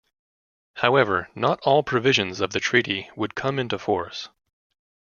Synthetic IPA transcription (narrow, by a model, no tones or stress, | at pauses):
haʊɛvə˞nəɾɔlˠpʰɹ̥ɨvɪʒɨ̃nzʌvðɨtʰɹ̥iɾiwəd̚kʰʌ̃mɪ̃ntʉfɔɹs